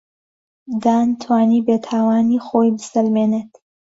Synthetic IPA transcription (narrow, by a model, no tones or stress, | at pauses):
d̪aːnt̪ʰwaːniːbeːt̪ʰaːwaːniːxoːjbɨsɐlmeːneːt̪